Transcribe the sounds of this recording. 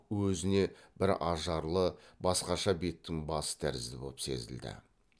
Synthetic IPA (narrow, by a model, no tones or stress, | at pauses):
wɵzɪne̞b̥ɪɾɑʒɑɾlˠəbɑsqɑʃɑbe̞t̪ːɪŋbɑsə̥t̪ʰæ̰ɾɪzd̪ɪbo̞lˠpse̞̰zɪ̰ld̪ɪ̰